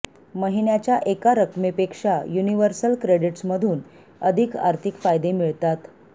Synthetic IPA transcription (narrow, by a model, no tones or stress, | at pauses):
məɦiɳjat͡ɕjaʔekaɾəkmepekʂajuniʋəɾsəlkɾeɽiʈsməd̪ʱuːn | əd̪ʱika̰ɾt̪ʰikfajd̪emiɭt̪at̪